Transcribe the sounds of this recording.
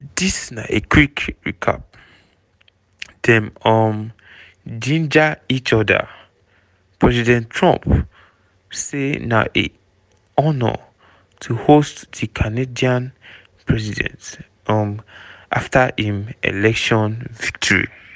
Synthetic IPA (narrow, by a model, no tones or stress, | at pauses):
disnaʔekwikɹikʰa̰p̚ | d̥ɛ̃nɔm | d͡ʒĩnd͡ʒait͡ʃɔda̰ | pɹɛzidɛ̃ntʰɹɔ̰̃mp | sena̰ʔḛ | ɔnɔ̰ | tʰuhostd̥ikʰanediãn | pʰɹɛsidɛ̰̃nt | ɔmʔaftahĩmḛlɛkʃɔ̃nvik̚tʰɔɹḭ